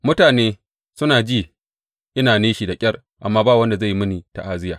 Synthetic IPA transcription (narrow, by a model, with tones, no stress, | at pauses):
mʊ˦taː˨neː˦ | sʊ˦naː˨d͡ʒiː˦˨ | ʔɪ˦naː˨neː˦ʃi˨da˨kʲʼɐ˦r | ʔa˨mːaː˦baː˦˨wɐ˦nda˨za˦˨jmɪ˦ni˨ta̰˨ʔaː˦zɪ˦jaː˨